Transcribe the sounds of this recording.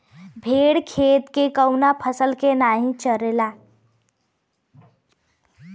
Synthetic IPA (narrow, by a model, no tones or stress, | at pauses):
bʱeɽkʰet̪kekəʊnapʰəsəlkenaɦĩt͡ʃəɾela